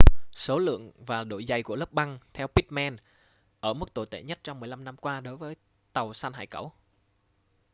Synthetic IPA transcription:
so˨˦lɨ̰˧˨əŋvaː˨˩ɗo̰˧˨jza˧˩jku˧˩ələ˦˥p̚ɓa˧ŋt̪ʰɛ˧wpi˦˥t̚mɛ˧n | ʔəː˧˩m̚˦˥t̪o˧˨˩jt̪ḛ˧˩ɲə˦˥t̚t͡ɕɔ˧wŋ͡mmɨ˨˩əjla˧mna˧mkwaː˧ɗo˨˦jvəː˨˦j | t̪ə˨˩wsaː˧nɦa̰ː˧˨jkə˧˩w

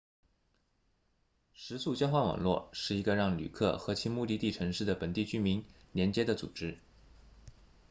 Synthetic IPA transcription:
ʂɻ̩˧˥su˥˩t͡ɕjɑ˥ʊxwa˥˩nwɑ̰˨˩ŋlwɔ̰˥˩ʂɻ̩˥˩i˧˥ɡə˧ɻɑ˥˩ŋly̰˨˩kʰɤ̰˥˩xɤ˧˥t͡ɕʰi˥ŋmu˥˧t̪i˥˧t̪i˥˩ʈ͡ʂʰɤ˧˥ŋʂɻ̩˥˩d̪ə˩pə˨˩nt̪i˥˩t͡ɕy˥mi˧˥ŋ | ljɛ˧˥nt͡ɕjɛ˥d̪ə˨t͡sṵ˨˩ʈ͡ʂɻ̩˥

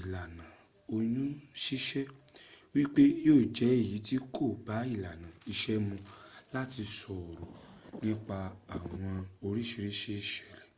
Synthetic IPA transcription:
i˨la˨nã˨ | o˧jũ˦ʃi˦ʃɛ˦wi˦k͡pe˦joː˦˨d͡ʒɛ˨˦i˦˨ji˨˦ti˦kʰo˦˨ba˨˦i˦˨la˨nã˨i˧ʃɛ˦mũ˧la˦ti˧sɔ˨ɾo˨nĩ˦k͡pa˧a˨w̃ɔ̃˧o˧ɾi˦ʃi˧ɾi˦ʃi˦˨ʃɛ˦˨lɛ˨

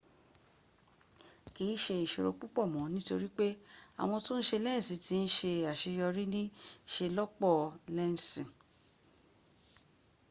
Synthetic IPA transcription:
ki˨˦ʃe˧i˨ʃo˨ɾo̰˧k͡pu˦k͡pɔ˦˨mɔ̃˨˦nĩ˦to˧ɾi˦k͡pe˦a̰˨w̃ɔ̃˧to˦n̩˦ʃe˧lɛ˦n̩˨sĩ˨ti˧˦n̩˦ʃe˧a˨ʃe˧jɔ˧ɾi˦nĩ˦ʃe˧lɔ˦k͡pɔ˦˨lɛ˦n̩˨sĩ˨

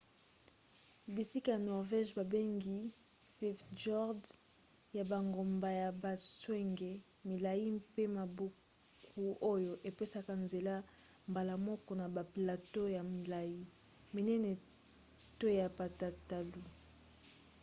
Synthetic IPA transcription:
bi˨si˦ka˨ja˨nɔ˨ʁvɛ˦ʒba˨be˦ŋɡi˦ | fɛ˦fd͡ʒɔ˦ʁd | ja˨ba˨ŋɡo˨mba˨ja˨ba˨swɛ˦ŋɡe˨ | mi˨la˨ji˦mpe˦ma˨bu˦ | ku˦o˦jo˨ʔe˨pe˦sa˦ka˨nze˨la˦ | mba˨la˨mɔ˦kɔ˨na˨ba˨pla˨to˦ja˨mi˨la˨ji˦ | mi˨nɛ˦nɛ˨ | to˦ja˨pa˨ta˨ta˨lu˨

